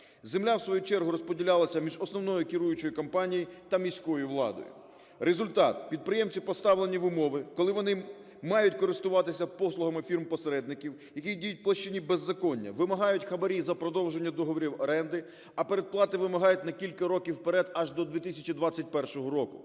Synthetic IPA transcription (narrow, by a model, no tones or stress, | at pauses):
zemlʲawsʋɔjut͡ʃɛrɦʊɾɔspɔdʲilʲalˠɐsʲɐmʲiʒɔsnɔwnɔjʊkʲɪɾujʊt͡ʃɔjikɔmpɑnʲijit̪ɐmʲijsʲkɔjʊʋlˠɑ̰d̪ɔ̰jʊ̰ | ɾezʊlʲt̪ɑt̪̚pʲid̪̚pɾɪjemt͡sʲipɔst̪ɑʋlˠenʲiʋʊmɔʋɪkɔlˠɪʋɔnɪ | mɑjʊtʲkɔɾɪst̪ʊʋɑt̪ɪsʲɐpɔslˠʊɦɐmɪfʲirmpɔseɾɛd̪nɪkʲiw | jɐkʲidʲijʊt̚ʲplˠɐʃt͡ʃːɪnʲibezːɐkɔnʲːɐ̰ʋɪmɐɦɑjʊtʲxɐbɐɾʲijzɐpɾɔd̪ɔwʒe̞nʲːɐd̪ɔɦɔʋɔɾʲiwɐɾɛnd̪ɪ | ɐpe̞ɾed̪̚plˠɑt̪ɪʋɪmɐɦɑjʊtʲnɐkʲilʲkɐɾɔkʲiwpeɾɛd̪ɐʒd̪ɔd̪ʋʲit̪ɪsʲɐt͡ʃid̪ʋɑt͡sʲːɐt̚ʲpɛrʃɔɦɔɾɔkʊ